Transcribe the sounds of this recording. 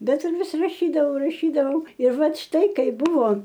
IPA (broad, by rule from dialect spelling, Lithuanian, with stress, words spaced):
ˈbʲɛt ɪr ˈʋʲɪs rɐˈʃʲiːdɐʋɐʊ rɐˈʃʲiːdɐʋɐʊ ɪr ˈʋɐt ˈʃtɐɪ ˈkɐɪ bʊʋoː